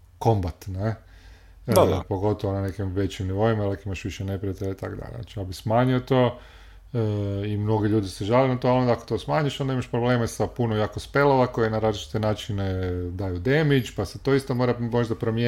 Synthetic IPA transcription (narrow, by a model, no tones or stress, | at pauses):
ko̞mbat̪ne | po̞ɡo̞t̪oʋonane̞kimʋe̞t͡ʃimniʋo̞imaelekimaʃʋiʃene̞pɾijat̪eʎait̪a̰kod̪a̰ʎ̰na̰t͡ʃiabismaːɲiot̪o̞ː | imno̞ɡeʎuːd̪iseʒalenat̪oalˠo̞nd̪aakot̪o̞smaːɲiʃond̪aimaʃpɾobleːmesapunomjaːkospelˠoʋako̞jenaɾaːzlit͡ʃi̥t̪enaːt͡ʃined̪ajud̪e̞mit͡ʃpaset̪o̞ist̪omoɾamo̞ʒd̪apɾo̞mje